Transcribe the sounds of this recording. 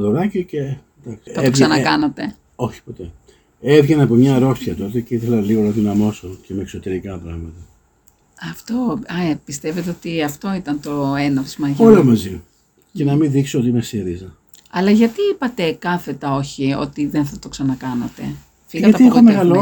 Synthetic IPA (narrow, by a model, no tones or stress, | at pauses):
oðoɾɐcioce̞ | d̪ɐksiɐteokssɐnɐkɐnɐt̪e̞ | o̞çi̥po̞t̪e̞ | evʝenɐpomɲɐɾo̞sçɐt̪o̞t̪eceiθelɐliɣo̞nɐðinɐmo̞so̞cemeːksot̪e̞ɾikɐpɾɐɣmɐt̪ɐ | ɐft̪o̞ɐpist̪eve̞t̪eo̞t̪iɐft̪o̞it̪ɐnt̪o̞enot̪i̥zmɐʝolomɐzi | cenɐmiðiksoot̪imesiɾizɐ | ɐlɐʝɐt̪iipɐt̪e̞kɐθe̞t̪ɐo̞çio̞̰t̪iðenθɐt̪o̞ksɐnɐkɐnɐt̪e̞̰ | fiɣɣɐtɐeɐt̪iexomeɣɐlo